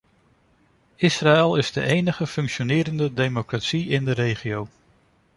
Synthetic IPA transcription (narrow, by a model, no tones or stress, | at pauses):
ɪsraɛlˠɪzdə̰ʔejnəχəfɵŋkʃonɪːɾəndədejmokratsiɪndəɾejχiow